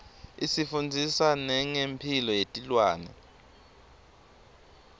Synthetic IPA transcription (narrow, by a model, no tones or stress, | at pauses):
isifund͡zʱisanɛŋempʰilɔjetʼilwaːnɛ̰